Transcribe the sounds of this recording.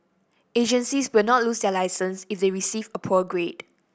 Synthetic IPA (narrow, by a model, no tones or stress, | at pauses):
ed͡ʒə̃nsiswɪlnɔt̚lusdɛlaɪsə̃nsifdeɹisivəpʰɔɡɹed